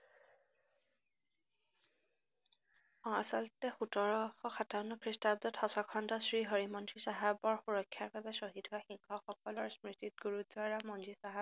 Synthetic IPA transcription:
ɔasɔltɛxutɔɹɔxɔxataʊnɔkʰɹistab̚dɔtxɔsɔkʰɔndɔsɹiɦoɹimɔntɹisaɦabɔɹxuɹɔkʰːjaɹbabɛsoɦitɦʊaxiŋxɔxɔkɔlɔɹsmɹitit̚ɡuɹutzʊaɹamɔnzisaɦa

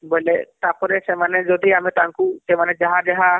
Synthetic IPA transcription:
bojlɛt̪apɔɾɛsɛmanɛd͡ʒɔd̪ʱiamɛt̪aãŋkusɛmanɛd͡ʒaɦad͡ʒaɦa

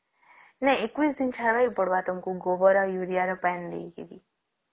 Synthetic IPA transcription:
nɛekʋisd̪int͡ʃʰaɾʋajpɔɽʋaʈɔmkuɡobɔɾajuɾijaɾɔpɛnd̪ḛikḛd̪i

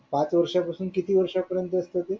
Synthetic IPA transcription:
pãt͡sʋəɾʂapəsuːnkit̪iʋəɾʂapəɾjə̃nt̪əəst̪eɦot̪e

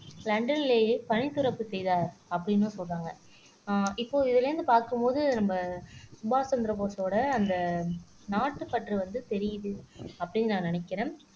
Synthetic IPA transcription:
lɐɳɖɐnɪleːepɐɳɪt̪ːɯɾɐpːɯsɛjðaːɾɐpːɐɽɪnːɯsɔːaːŋɡɐ | ɪpːoːɪðɪlɐɾɯnd̪ɯpaːɾkɯmpoːðɯnɐmbɐsʊbaːt͡ʃɐnd̪ɐɾɐp̬oːsoːɽɐːnd̪ɐ | naːʈːɯpɐʈriʋɐnd̪ɯt̪ɛɾɪjɯðɯɐpːɐɽɪnːnaːnɐnɐkːɪɾẽːm

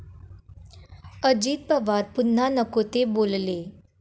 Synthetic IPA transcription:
əd͡ʑiːt̪̚pəʋaɾpun̤ːanəkot̪ebolle

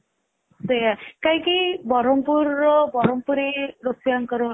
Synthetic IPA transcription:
sejakajkibɔɾɔmpuɾːɔbɔɾɔmpuɾeɾosiaŋkɔɾɔ

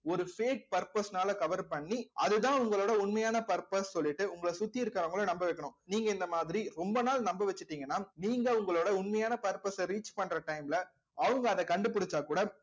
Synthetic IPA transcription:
ɔɾɯfeːk̚pɐɾpɐsnaːlɐkɐʋɐɾpɐɳːiʔɐðɯt̪ãːʊŋɡɐɭoːɽɐʊɳmɐjaːnɐpɐɾpɐssɔlːɪʈːɯʊŋɡɐɭɐsʊt̪ːiɪɾɯkːɾɐʊŋɡɐɭɐnɐmbɐʋɛkːɐɳʊ̃niːŋɡɐɪnd̪ɐmaːðɪɾiɾɔmbɐnaːlnɐmbɐʋɛt͡ʃːɯʈːiːŋɡɐnːaːniːŋɡɐʊŋɡɐɭoːɽɐʊɳmɐjaːnɐpɐɾpɐsɐɾiːt͡ʃpɐɳːɾɐʈɐɪmɪlɐ | ɐʋɐŋɡɐːðɐkɐɳɖɯp̬ːʊɽɪt͡ʃːaːkuːɽɐ

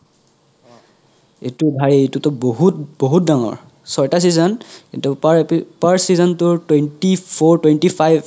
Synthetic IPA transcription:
ḛtubʱaɹietutɔboɦutboɦut̚daŋɔ̰ɹ | sɔjtas̬izɔnkintupaɹsizɔntʊɹtwentipʰɔɹtwentipʰajb

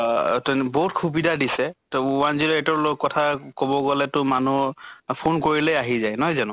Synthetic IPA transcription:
tnbɔɦutkʰubidadisɛtɔwanzilatɔɹlɔkːɔtʰakobɔɡɔlɛtʊmanupʰonkoɹilɛjaɦizajnɔɦɔjzanʊ̃

